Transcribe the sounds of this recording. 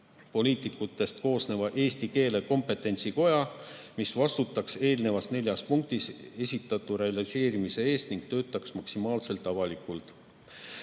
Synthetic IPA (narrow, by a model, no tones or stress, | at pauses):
po̞lʲiːt̪ˑikːˑut̪ːˑe̞st̪ko̞ːsne̞vɑʔe̞ːst̪ike̞ːle̞ko̞mpːe̞t̪ːˑe̞nʲt̪siko̞jɑ | misvɑst̪ut̪ːˑɑkse̞ːlne̞vɑsne̞lʲjɑspuŋk̚t̪ise̞sʲit̪ˑːɑt̪ːˑuɾe̞ɑlise̞ːɾimise̞e̞ːst̪niŋɡ̥t̪ø̞ːt̪ːˑɑksmɑksimɑːlse̞lt̪ːˑɑvɑlikˑult̪ˑ